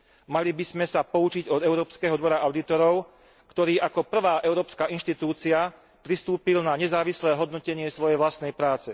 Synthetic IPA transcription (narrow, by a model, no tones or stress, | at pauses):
malibizmɛsapɔut͡ʃiɟɔd̪ɛʊɾɔːpskɛɦɔd̪ʋɔɾaʔaʊd̪it̪ɔɾɔʊ | kt̪ɔɾiːʔakɔpr̩ʋaːʔɛʊɾɔːpskaːʔinʃt̪it̪uːt͡sia | pɾist̪uːpilnaɲɛzaːʋislɛːɦɔd̪nɔcɛɲɪɛsʋɔjɛjʋlast̪nɛjpɾaːt͡sɛ